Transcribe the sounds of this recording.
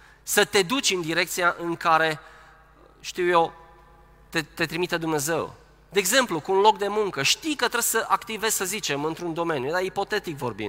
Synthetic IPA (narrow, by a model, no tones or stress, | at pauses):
sət̪e̞d̪ut͡ʃʲɨnd̪iɾe̞k̚t̪sijaʔɨŋkaɾe̞ | ʃt̪iwjew | t̪et̪e̞t̪ɾimit̪əd̪umne̞ze̞w | d̪e̞ːɡze̞mplukuːnlo̞k̚d̪e̞muŋkəʃt̪ijkət̪ɾeb̥səʔakt̪ive̞z̥ʲsəzit͡ʃe̞mɨnt̪ɾund̪o̞me̞njud̪aipo̞t̪e̞t̪ikvo̞̰rbḭ